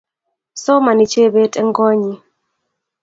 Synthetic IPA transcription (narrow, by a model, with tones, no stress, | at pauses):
sɔ˦ma˨ni˨t͡ʃe˦be˦tʼɛ˦ŋɡɔ˦ɲi˨